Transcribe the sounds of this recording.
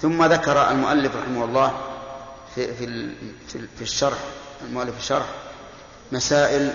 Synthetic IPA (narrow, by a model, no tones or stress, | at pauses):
θʊmːaðakɑɾˤa̰lmʊʔalːɪfɾˤɑħɪmahʊlˤːɑː | ffi | fiʃːɑɾˤħ | almʊʔalːɪfɪʃːɑɾˤħ | masaːʔɪl